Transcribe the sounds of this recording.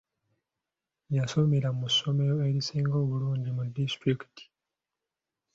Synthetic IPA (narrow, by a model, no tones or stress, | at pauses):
jaso̞me̞ɾamusːo̞me̞ɾo̞eɾisiːŋɡo̞ːβuluːɲɟimudistɾiki̥ti̥